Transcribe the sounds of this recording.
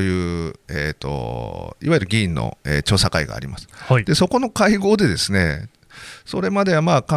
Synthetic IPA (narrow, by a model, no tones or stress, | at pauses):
ojɯ̟ːet̪ːo̞̰iβaiɾɯ̟ɡʲĩːnːo̰ḛːt͡ɕo̞ːsakaiɡa̰ːɾʲimasɨ̥hd̪e̞so̞ko̞no̞kaiɡo̞ːd̪e̞d̪e̞sɨne̞̰ | so̞ɾe̞mad̪e̞βamaːkã